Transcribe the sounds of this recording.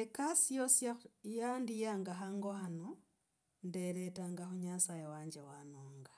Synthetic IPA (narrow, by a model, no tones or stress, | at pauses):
ekasijosjajandijaŋɡaɦaŋɡohano | ndeɾetaŋɡaxuɲasajewaːɲd͡ʒewanoːŋɡa